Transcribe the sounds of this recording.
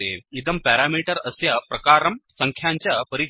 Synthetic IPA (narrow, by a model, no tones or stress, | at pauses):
ḛid̪əmpæɾamiʈəɾəsjapɾɐkaːɾɐmsəŋkʰjaɲt͡ɕjapəɾi